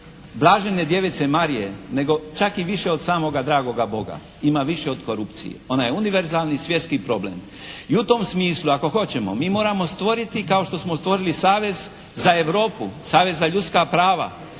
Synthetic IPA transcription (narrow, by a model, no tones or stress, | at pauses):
blˠaːʒened̪je̞ʋet̪se̞maɾije̞ne̞ɡo̞t͡ʃakiʋiʃe̞od̪saːmo̞ɡad̪ɾaːɡo̞ɡabo̞ɡa̰ | imaʋiʃeo̞d̪ko̞ɾupt̪sḭjḛo̞najeuniʋeɾzaːlnisʋje̞t̪skipɾo̞blḛm | iut̪o̞msmiːslˠuako̞xo̞t͡ɕe̞mo̞̰miːmo̞ːɾamo̞st̪ʋo̞ɾit̪ikao̞ʃt̪o̞smost̪ʋo̞ɾilisaːʋe̞z | zae̞ʋɾo̞ːpusaːʋe̞zːaʎut̪skapɾaːʋa̰